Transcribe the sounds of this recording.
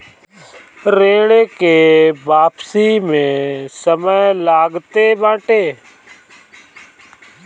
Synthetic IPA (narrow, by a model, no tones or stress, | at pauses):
ɾẽːɽeːkeːbaːpsiːmẽːsəməjlaːɡt̪eːbãːʈeː